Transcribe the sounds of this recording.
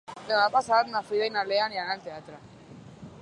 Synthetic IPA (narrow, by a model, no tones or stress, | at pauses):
denapasat̪nafiðajnaleanianalt̪eat̪ɾa